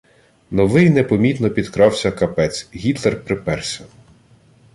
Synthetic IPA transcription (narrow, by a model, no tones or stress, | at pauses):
nɔʋɪjnepɔmʲit̪nɔpʲid̪kɾɑwsʲɐkɐpɛt͡s̪ʲɦʲit̪lˠerpɾɪpɛrsʲɔn